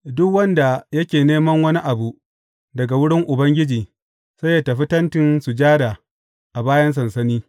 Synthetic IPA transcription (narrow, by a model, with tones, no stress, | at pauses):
dʊ˦kwɐ˦nda˨jɐ˦kʲeː˨neː˦mɐ˦ŋwɐ˦ni˦ʔa˨bu˨ʔ | dɐ˨ɡa˨wʊ˦ɽɪ˦ŋʔʊ˨bɐ˦ŋɡʲɪ˦d͡ʒiː˨ | sɐ˦ja˨tɐ˨ɸi˦tɐ˦ntɪ˦nsu˨d͡ʒaː˦da˨ | ʔa˨baː˦jɐ˦ns̬ɐ˨nsɐ˦niː˦